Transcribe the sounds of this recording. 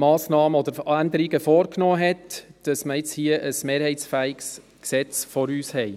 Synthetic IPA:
mɑːsnɑːməɔd̪əɾænd̪əɾiɡəfɔːɾknoːɦɛtd̥ɑsməjɪt͡shiəʔəsmeːɾhɛɪt͡sfæːiɡs | ksɛt͡sfɔɾyːshɛɪ

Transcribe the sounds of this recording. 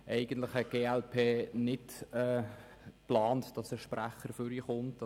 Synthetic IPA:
ʔɛɪɡ̥əntləχhɛɡ̥eːɛlpʰeːnɪtɛ | plɑːntd̥ɑsəʃpræχəɾføɾiχʊnt

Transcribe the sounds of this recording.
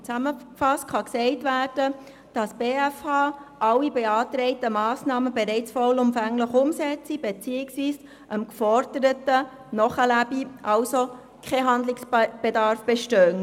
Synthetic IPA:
t͡sæməkfɑst̚kχɑksɛɪtvæːɾd̥ə | d̥ɑsb̥eːæfhɑːʔɑlːibeɑːtɾɛɪtəmɑːsnɑːməbeɾɛɪt͡sfɔlʊmfæŋləχʊmsɛt͡sib̥et͡siːɪksviːs | ʔəmkfɔɾd̥əɾətə | nɔχəlæbiʔɑlso | kʰɛɦɑnd̪lɪksb̥edɑɾfb̥eʃtœːn

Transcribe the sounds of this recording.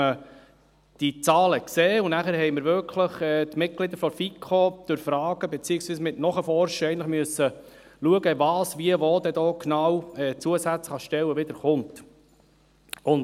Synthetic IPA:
ə | d̥it͡sɑːləkseːʊnæχəɾɦɛjməɾvʏɾkʰləχɛːt̪mɪt̚ɡ̥lɪd̪əɾfɔɾfikʰːod̥øɾfɾɑːɡ̥əbɛt͡siːəsviːsmɪtnɔχəfɔɾʃəɛɪntləχmyəsːə | luəɡəvɑːsʋiəvoːd̪ɛd̪ɔːknɑwɛt͡suəsæt͡sχɑʃtɛwːəʋɪd̪əɾχʊnt | ʊn

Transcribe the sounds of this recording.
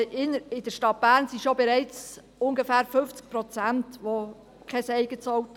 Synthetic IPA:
ɪnɪd̥əʃtɑt̚b̥æːɾnsiʃobɛɾɛɪt͡s | ʊnɡəfæːɾfɵft͡sk̚pɾot͡sæntʋo | kʰɛsɛɪɡət͡sɔwt

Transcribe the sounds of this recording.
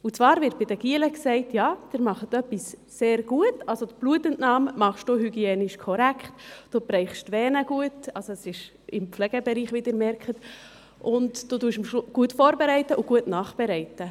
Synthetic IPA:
ut͡svɑːɾvɪɾt̚b̥ɪd̥əɡ̥iələksɛɪtjɑːd̥ɪɾmɑχət̪œpːisː | eːɾɡ̥uətɑlsot̪b̥luətɛntnɑːmːɑχʃd̥oːhyɡiɛːnɪʃkʰɔɾækχtd̥oːbɾɛɪχʃtʋɛːnəɡ̥uətɑlsoɛsɪʃ | ɪmflɛɡ̥əbɛɾiːχʋid̥əɾmɛɾkʰət | ʔʊntd̥oduːʃmʃɡ̥uətfoːɾbɛɾɛɪtːəʔʊɡ̥uətnɑːχb̥ɛɾɛɪtə

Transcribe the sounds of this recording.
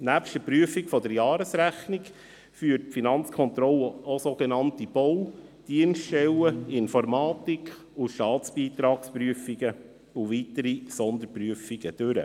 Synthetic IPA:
næːpʃtəpɾyəfikfɔd̪əɾjɑːɾəsɾæχniɡ | fyːɾt̚pfinɑnt͡skʰɔnt̪ɾɔlːəosoɡ̥ɛnɑntib̥ɔwd̥iənsttɛwəɪnfɔɾmɑːt̪ik | uʃtɑːtt͡sb̥iːt̪ɾɑːkspɾyəfiɡə | uʋit̪əɾisɔnd̪əɾpɾyəfiɡəd̥øɾə̰

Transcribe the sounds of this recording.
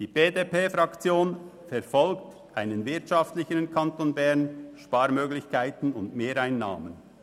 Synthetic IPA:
d̥iːb̥eːdeːpeːfɾɑkt͡sjoːn | fɛɾfɔlkt | ʔaɪnənvɪɐtʃɑftlɪçəɾənkʰɑntonbɛʁnʃpaːɾmøːɡlɪçkʰaɪtn̩ʊ̰ndmeːɾaɪnːa̰ːmən

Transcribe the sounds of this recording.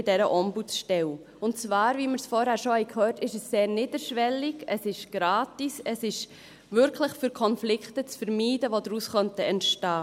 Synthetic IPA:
dɛɾəʔɔmbuʃtɛw | ʊntt͡svɑːɾviməɾsfɔɾhæːɾʃohɛɪkʰhøːɾtɪʃəsːeːɾniːdəɾʃʋɛlɪɡəsɪʃɡ̥ɾɑːtisəsɪʃ | vʏɾkʰləχfyːɾkʰɔnflɪkχtət͡sfəɾmiːdəʋodɾuːsχœntəɛntʃtɑː

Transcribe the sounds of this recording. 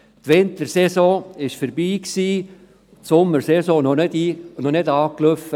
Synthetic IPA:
t̪ʋɪnt̪əɾsɛsɔ̃ːɪʃfəɾbiːksiː | tsʊmːəɾsɛsɔ̃ːnɔnedinɔnɪdɑːkløfə

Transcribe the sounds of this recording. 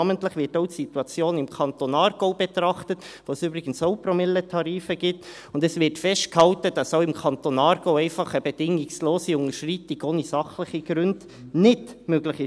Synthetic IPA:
ɑməntləχʋɪɾtoʊtsituɑt͡sjoːnɪmkʰɑnt̪onɑːɾɡ̥oʊbɛt̪ɾɑχtət | ʋoːsybɾɪɡ̥ən̩soʊpɾomɪlːətʰɑɾiːfəɡɪt | ʊndɛsvɪɾtfɛʃtkhɑwtəd̥ɑsoʊɪmkʰɑnt̪onɑːɾɡ̥oʊɛɪfɑχəbɛd̥ɪŋɪksloːsiʊŋəʃriːtɪɡoːnisɑχləχiɡ̥ɾʉnd | nɪtmøɡləχɪ

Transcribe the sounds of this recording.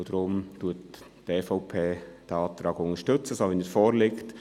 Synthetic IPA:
d̥ɾʊmtuətː | ɛfɔʊpʰeːd̥æɑːt̪ɾɑːɡʊŋəʃtɵt͡səsoʋɛnəfɔːɾlɪkt

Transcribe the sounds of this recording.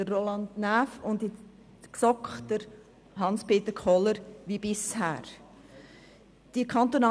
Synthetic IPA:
dərːolɑndnæfʊndi | ksɔkχd̥əɾ | ɦɑnspʰeːt̪əkʰɔləɾʋibɪshæːɾ | d̥ikʰɑnt̪onɑ

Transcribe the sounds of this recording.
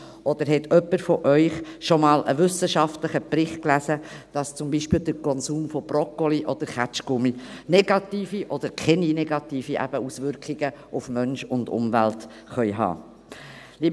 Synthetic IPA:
ʔɔd̪əɾɦɛtœpːəɾfɔʔœʏχʃɔmɑːlə̰ʋʏsəʃɑftləχəpɾɪχt̚klæsə | d̥ɑst͡sʊmbiʃpɪːld̪əɾkʰɔnsuːmfɔb̥rɔkːoliʔɔd̪̥əɾχæt͡ʃkʊminɛɡ̥ɑt̪iːfiʔɔd̪̥əɾkʰɛninɛɡ̥ɑtiːfiʔæ̰b̥əusʋʏɾkχiɡ̥əufmœnʃʊndʊ̰mvælt | χœʏɦɑ̰ː | li

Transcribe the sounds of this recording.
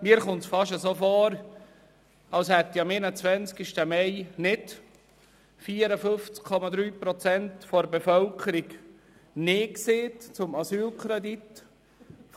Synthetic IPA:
miːəɾχʊnt̪sfɑʃəsoːfɔːɾ | ɑlshɛt̪jɑmɪnət͡sʋɛnt͡skɪʃtəmɛɪnɪd | fiːəɾəfʏft͡skkʰːɔmɑd̪ɾyːpɾɔt͡sɛntfoɾbefœlkʰəɾiɡ | neːkseːtt͡sʊmɑsyːlkʰɾɛd̪it

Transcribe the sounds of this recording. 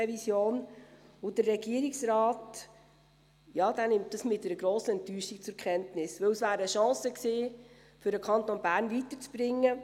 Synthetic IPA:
ɛvisjoːnʊd̥ərrɛɡiəɾiksɾɑːt | jɑːd̥̪ænɪmt̚dɑsmɪt̚dɛɾəɡ̥ɾoːsəɛntyːʃik̚t͡sʊɾkʰχɛntnɪsʋɵwəsvæːɾəəʃɑ̃ːsəksiː | fʏɾdəkʰɑnt̪onbæːɾnvitət͡sb̥ɾɪŋːə

